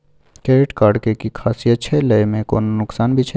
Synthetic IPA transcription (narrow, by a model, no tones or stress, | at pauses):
keːɾɪʈkaːɖkekikʰaːsiətːʃʰeləjmẽkoːnnʊksaːnbʱit͡ʃʰ